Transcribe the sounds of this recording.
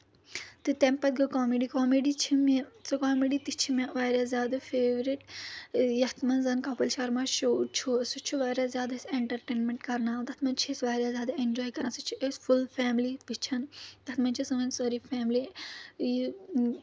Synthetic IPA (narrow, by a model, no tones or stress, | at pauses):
t̪ɨt̪ẽmpɐt̪̚ɡɐkaːmeɖikaːmeɖit͡ʃʰimet͡sɨkaːmeɖit̪it͡ʃʰimɐʋaːɾʲjazʲjaːd̪ɐfeːʋɾiʈ | jɐt̪ʰmɐnzɐnkɐpɐlʃɐɾmaʃoːt͡ʃʰosut͡ʃʰuʋaːɾʲaːzjaːd̪ɐeseɳʈɐɾʈeːnmeɳʈkɐɾnaːt̪ɐt̪ʰmɐnt͡ʃʰisʋaːɾʲjazʲjaːd̪aend͡ʒɔːjkɐɾnasut͡ʃʰiʔesfulfaːmlipit͡ʃʰɐnt̪ɐt̪mɐnt͡ʃʰisɨmɐnsɐːɾifɛːmli | i